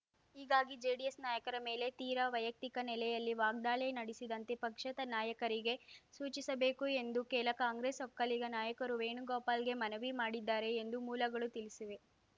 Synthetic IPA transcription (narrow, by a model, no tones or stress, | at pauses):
ɦiːɡaːɡid͡ʒeːɖijesnaːjɐkɐɾɐme̞ːle̞t̪iːɾɐʋɐjɐk̚t̪ikɐnɛlɛjɐlːiʋaːɡ̚d̪aːɭenɐɽisid̪ɐnt̪e̞pɐkʂɐt̪ɐnaːjɐkɐɾiɡe̞suːt͡ʃisɐbe̞ːkue̞nd̪ukeːlɐkaːŋɡɾeːsɔkːɐliɡɐnaːjɐkɐɾuʋeːɳuɡɔːpaːlɡe̞mɐnɐʋimaːɽid̪ːaːɾe̞ːnd̪umuːlɐɡɐɭut̪ilisiʋe̞